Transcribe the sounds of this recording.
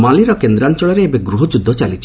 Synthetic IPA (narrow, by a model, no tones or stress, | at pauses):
maliɾɔkend̪ɾant͡ʃɔɭɔɾeːbeɡɾuɦɔd͡ʒud̪ʱːɔt͡ʃalit͡ʃʰ